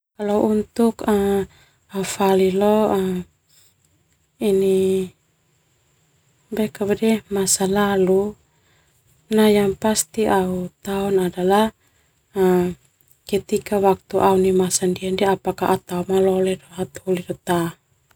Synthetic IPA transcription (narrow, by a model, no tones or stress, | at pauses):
kalɔʔunt̪uka | aufalilɔ | ini | bɛkabɛdɛmasalalu | najaŋpast̪iʔaut̪aɔnadala | kɛt̪ikawak̚t̪uʔaunimasandiandɛapakaʔat̪aumalɔlɛdɔɦat̪hulidɔt̪a